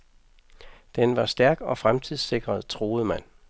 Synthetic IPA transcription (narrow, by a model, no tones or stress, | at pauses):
d̥enʋɑ̈sd̥æɐɡ̥ɒ̽fʁamt͡sʰið̰ˠse̝ɡ̥ʁɐð̩ˠt͡sʰʁo̝ːð̩ˠmæn̰